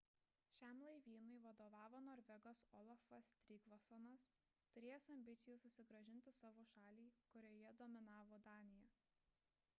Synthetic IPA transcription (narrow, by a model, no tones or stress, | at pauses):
ʃʲæˑmlˠɐɪʋʲiːnʊɪʋɐd̪oːʋɑːʋoːnɔːɾʲʋʲɛɡɐsɔlˠɐfɐst̪ʲɾʲiːɡʋɔsɔnɐs | t̪ʊɾʲeːjɛsɐmʲbʲɪt̪sʲɪjuːsʊsʲɪɡɾɐʒʲɪnʲt̪ʲɪsɑːʋoːʃɑːlʲiːkʊɾʲoːjɛd̪oːmʲɪnɑːʋoːd̪ɑːnʲɪjɛ